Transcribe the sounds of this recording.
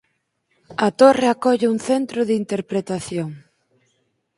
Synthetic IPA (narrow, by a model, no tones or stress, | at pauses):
ɐt̪oreakɔʎɪuŋθent̪ɾʊðint̪eɾpɾet̪aθjoŋ